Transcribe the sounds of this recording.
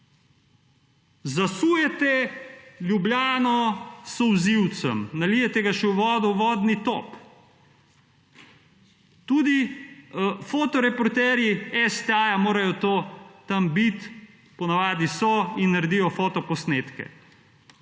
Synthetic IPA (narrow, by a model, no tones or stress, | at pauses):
zasuːjɛt̪ɛlʲjublʲjaːnɔsɔwziwt̪sə̰mnalijɛt̪ɛɡaʃɛwʋɔːd̪ɔwʋɔːd̪nit̪o̰p | t̪uːd̪i | foːt̪ɔɾɛpɔɾt̪ɛːɾjiɛst̪ɛajamoːɾajɔt̪oːt̪ambit̪ | pɔnaʋaːd̪isɔinːaɾed̪iːjɔfot̪ɔpɔsneːt̪kɛ̰